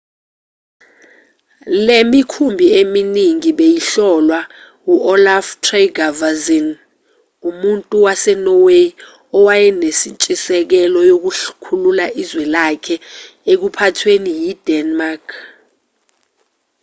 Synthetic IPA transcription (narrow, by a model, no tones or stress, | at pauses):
lemikʰumbʱieminiŋiɓejiɬɔlwa | uʔɔlaftʰreɡavazin | umuntʼuwasɛnɔwe | ɔwajɛnesint͡ʃʼisɛk̬ɛlɔjok̬uɬkʰululaʔizwɛlakʰɛ | ek̬upʰatʰwenijid̥ɛnmakʰ